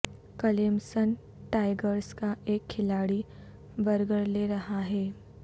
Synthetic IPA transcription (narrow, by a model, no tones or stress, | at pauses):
kɐleːmsən | ʈaːɪɡəɾskaʔeːkʰːɪlaːɽi | bɐɾɡəɽleɾɐɦaɦɛː